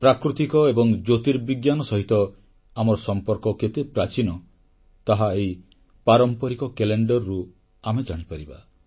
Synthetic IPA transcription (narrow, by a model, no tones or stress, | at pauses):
pɾakɾut̪ikɔebɔŋd͡ʒot̪iɾbiɡjanɔsɔɦit̪ɔ | amɔɾɔsɔmpɔɾkɔket̪epɾat͡ʃinɔ | t̪aɦaej | paɾɔmpɔɾikɔkeleɳɖɔɾːu | amed͡ʒaɽ̃ipaɾiba̰